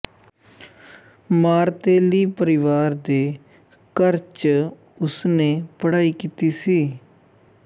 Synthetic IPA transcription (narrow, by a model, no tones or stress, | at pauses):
maːɾt̪eːliːpəɾɪʋaːɾd̪eː | kəɾt͡ʃ | ʊsnẽːpəɽaːiːkiːt̪iːsiː